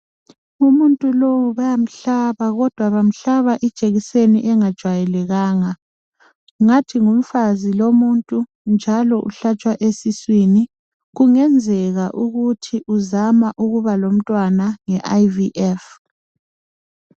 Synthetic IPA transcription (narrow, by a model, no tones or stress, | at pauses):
umuntʼulowuβajam̩ɬaβaɣɔd̥ʱwaβam̩ɬaβaʔid̥ʒ̥ʼeɣiseniʔɛŋad̥ʒ̥ʱwajɛlɛɣaːŋa | ŋatʰiŋum̩fazilomuntʼu | nd͡ʒʱalɔʔṵɬat͡ʃʼwaʔesiswini | ɣuŋɛnd͡zʱɛɣaʔuɣutʰiʔuzamaʔuɣuβalom̩tʼwanaŋɛʔajviʔɛf